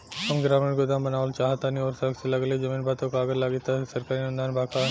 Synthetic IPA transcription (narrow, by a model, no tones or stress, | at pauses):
kɐmɡɾaːmeɾɡod̪aːmbɐnaːʋolt͡ʃaːɦat̪aːnioːɾsɐkselɐɡled͡ʒɐmiːnbʱaːt̪okaːɡəɾlaːɡit̪asɐɾkaːɾinʊ̃nd̪aːnbʱaːkʰa